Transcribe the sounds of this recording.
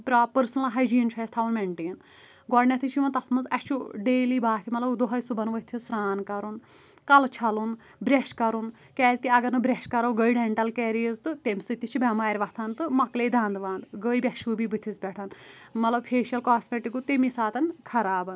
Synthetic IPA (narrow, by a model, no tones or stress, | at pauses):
pɾaːpəɾsnɐlɦɐjd͡ʒiːnt͡ʃʰɔjst̪ʰaːunmeɳʈeːn | ɡɔɖnʲɐt̪ʰit͡ʃʰimɐnt̪ɐt̪ʰmɐzɐt͡ʃʰuɖeːliːbaːt̪ʰimɐtlɐbd̪oɦɐjsubɐnʋɐt̪ʰisɾaːnkɐɾun | kɐlt͡ʃʰɐlun | bɾeʃkɐɾun | kɛːzkiɐɡɐɾnɨbɾeʃkɐɾɐwɡəjɖɛɳʈɐlkɛːɾijɐzt̪ɨt̪emʲsɨt̪ʲːit͡ʃʰubʲɐmaːɾʲʋɐt̪ʰant̪ɨmɐkleːd̪ʱɐːnd̪ʋãːnd̪ɡəːjbʲɐʃubibɨt̪ʰisbʲɛʈʰɐn | mɐt̪lɐbpʰeːʃɐlkaːsmʲeʈikut̪emisaːt̪ɐnkʰɐɾaːbɐn